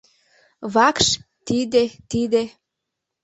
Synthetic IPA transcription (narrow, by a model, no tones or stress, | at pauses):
βɑkʃ | t̪id̪et̪id̪e